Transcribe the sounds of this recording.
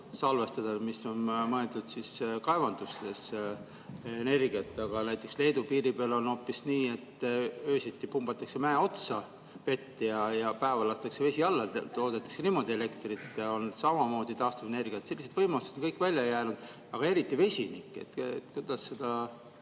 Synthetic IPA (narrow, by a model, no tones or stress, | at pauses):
sɑlve̞st̪ɑd̪̥ɑmiso̞nmɤe̞ld̪ud̪̥siskɑevɑnd̪̥uses | ene̞rɡiɑt̪ːˑɑɡ̥ɑnæjt̪ːˑe̞ksle̞ːd̪upiːɾipeɑlo̞no̞pːisniːe̞t̪ːø̞ːsit̪ːˑipumb̥ɑt̪ːˑɑkse̞mæːo̞t̪sɑ | ve̞t̪ːiɑjɑpæevɑlɑst̪ɑkse̞ve̞sʲiɑlːɑt̪o̞ːd̪et̪ːˑɑkse̞nimo̞d̪ie̞le̞kt̪rit̪ːˑo̞nsɑmɑmo̞ːd̪̥it̪ɑːst̪ɑve̞ne̞rɡ̥iɑt̪se̞lːise̞d̪vɤjmust̪ed̥̪oŋkɤjkːˑvælʲːjɑjæːnud̪̥ | ɑɡ̥ɑe̞ɾit̪ːˑive̞sʲinikːˑḛt̪ḛt̪kujd̪̥ɑsːe̞d̪̥ɑ